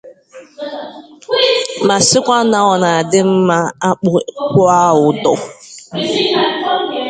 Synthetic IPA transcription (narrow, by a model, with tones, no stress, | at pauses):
ma˨sɪ˦kʷa˦na˨ɔ˨na˨dɪ˦m̩˦ma˦a˦k͡pʊ˦kʊ˦a˦ʊ˨dɔ˨